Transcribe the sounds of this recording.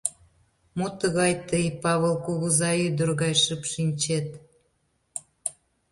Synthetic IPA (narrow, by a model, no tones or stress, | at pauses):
mut̪əɣɑjt̪əjpɑβəlkuɣəzɑyd̪ərɣɑjʃəpʃinʲt͡ɕet̪